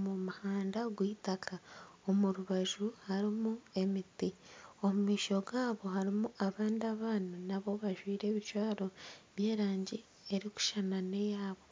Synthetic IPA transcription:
mumuhaːndaɡwiːtakʰao̞muɾuβaʒuhaɾimue̞mitio̞mumiːʃo̞ɡaːβo̞haɾimuʔaβaːndiaβaːnunaβo̞βaʒwiːɾe̞ːβit͡ʃwaːɾo̞βje̞ːɾaːɲɟi | e̞ɾiku̥ʃanane̞jaːβo

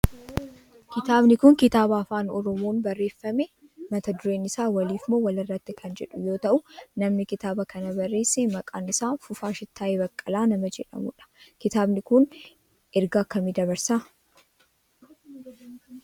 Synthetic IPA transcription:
kɪt̪aːbnɪkʊŋkɪt̪aːbaːfaːnɔɾɔmoːnbɐrːe̞ːfːɐmɛ | mɐt̪ɐd̪ʊɾe̞ːnɪsaːwɐliːfmoːwɐlɪrːɐt̪ːɪkʰɐnd͡ʒɛᶑʊjo̞ːt̪ɐʔʊnɐmnɪkɪt̪aːbɐkɐnɐbɐrːe̞ːsːemɐkʼaːnɪsaːnfʊfaːʃɪt̪ːaːʔebɐkʼːɐlaːnɐmɐd͡ʒɛᶑɐ̰mʊᶑɐ̥kɪt̪aːbnɪkʊn | ʔɛɾɡaːkːɐmid̪ɐβɐɾsaː

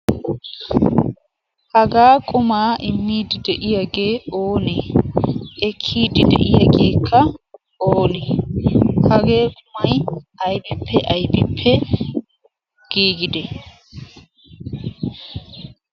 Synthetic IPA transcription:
hɐɡaːkʼʊmaːʔɪmːiːd̪ɪd̪ɛʔɪjɐɡeːoːnɛː | kʰːiːd̪ɪd̪ɛ̰ʔɪjɐɡeːkʰːɐ | oːnɛ | hɐɡe̞ːkʼʊmɐjɐjbɪpʰːɛʔɐjbɪpʰːɛ | ɡ̥iːɡɪd̪ɛ

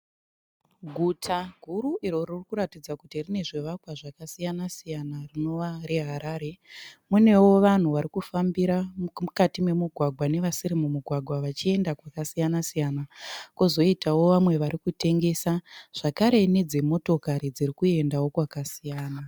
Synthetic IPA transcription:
ɡʱutʰaɡʱuɾuʔiɾo̞ririkuɾatid͡zakutirine̞ʐe̞ʋakwaʐakasijanasijanarino̞ʋaɾeɦaɾaːɾe̞mune̞wo̞ʋan̤uʋaɾikufambiɾamukatime̞muɡʱwaɡʱwane̞ʋasiɾimumuɡʱwaɡʱwaʋat͡ʃie̞ndakwakasijanasijanakuzo̞itawo̞ʋamwe̞ʋaɾikute̞ŋɡe̞saʐ̥akaɾe̞ne̞d͡zemo̞to̞kaɾid͡zirikue̞ndawo̞kwakasijaːna

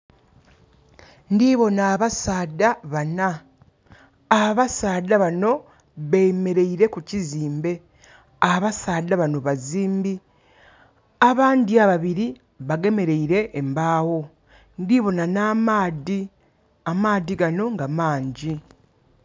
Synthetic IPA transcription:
ndiβo̞naːβasaːdaβana | βasaːdaβano̞ | βeme̞ɾe̞iɾe̞kuciziːmbe̞ | aβasaːdaβano̞βaziːmbi | aβaːnd̪iaβaβiɾi | βaɡe̞me̞ɾe̞iɾe̞ʔːmbaːwo̞ | ndiβo̞nanamaːdi | amaːðiɡano̞ŋɡamaːɲɟi

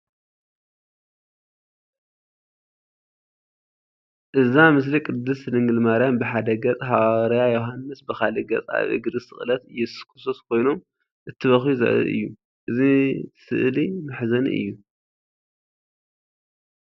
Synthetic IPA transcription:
ʔɨzamɨs̬likʼɨd̪ːɨslɨŋɡɨlmaɾijanbɨħad̪ɐɡɐt͡sʼɦaɾɐjajoɦanːɨsbɨxalɐɡɐt͡sʼa̰βʔɨ̰ɡɨɾɨsɨ̰xʼlɐt̪ɨjɛsɨ̥kʰʼɨ̥soskʰo̞jno̞m | ʔɨt̪ʰːɨβɐxiuzɐ̰ʔɨ̰ɨ̰jːu | ʔɨzisɨ̰ʔlimaħzɐnḭʔɨ̰jːu

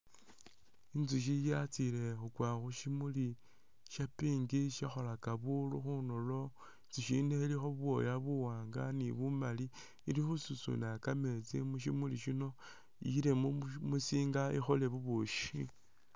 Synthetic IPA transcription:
inzuʃ̬ijat͡sile̞xukwaːxuʃimuli | ʃapiːŋɡiʃaxo̞lakaβuluxunolo̞ | t͡siʃineilixoβwo̞̰jaβuwaːŋɡaniβumali | ilixususṵnakame̞t͡simuʃimuliʃino̞ | iile̞mumusiːŋɡaḭxole̞βuβuʃi

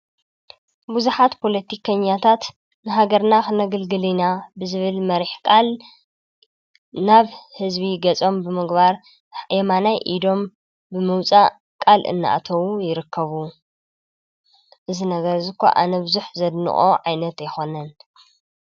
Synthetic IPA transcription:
buzuħat̪pʰo̞lɐt̪ʰikʰɐɲːat̪ʰat̪ | nɨɦaɡɐɾnaxɨnɐɡɐlɡɨlinabɨzɨβɨlmɐɾiħkʼal | naβhɨzbiɡɐt͡sʼo̞mbɨmɨɡbaɾ | ʔemanajʔid̪o̞m | bɨmɨwt͡sʼa | kʼalʔɨ̰nːaʔa̰t̪ʰɐwujɪɾɨkʰːɐβu | ʔɨzinɐɡɐɾzɨkʰːo̰ʔa̰nɐbɨzuħzɐd̪nɨ̰χʼo̰ʕajnɐt̪jɪxo̞nɐn

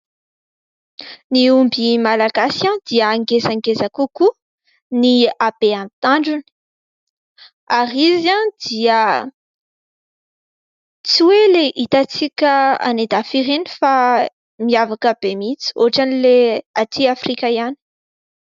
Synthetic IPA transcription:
niumbimalaɡasãnd̪̥iəːŋɡezaŋɡezakuku | niabeamt̪aɳɖ͡ʐuni̥ | ariziãnd̪̥iə | t͡siweleʔit̪at͡sikʲəa̰ned̪afiɾenifa | miavakəbemit͡si̥o̰ʈ͡ʂanileat̪ʰiafrikaiani̥

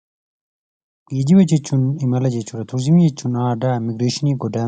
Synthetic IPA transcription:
jid͡ʑiwɐd͡ʑet͡ɕunimɐlɐd͡ʑet͡ɕuɾɐt̪ʰuɾzimijet͡ɕunaːɖamiɡɾeːɕiniɡoda

